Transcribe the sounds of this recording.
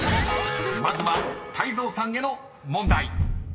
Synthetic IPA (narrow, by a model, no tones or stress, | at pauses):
mazɨβat̪ʰaizo̞ːsãŋɡe̞no | mõ̞nd̪ai